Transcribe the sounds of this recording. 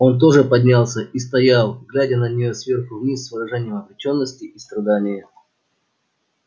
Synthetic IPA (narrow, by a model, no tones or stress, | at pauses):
o̞nt̪̬o̞ʐɨpɐdʲnʲalˠsʲəist̪ɐjalˠɡlʲædʲənənʲɪjosvʲe̞rxʊvnʲisʲːvɨɾɐʐɛnʲɪjəmɐblʲɪt͡ɕo̞nːəsʲtʲɪʔist̪ɾɐd̪anʲɪjə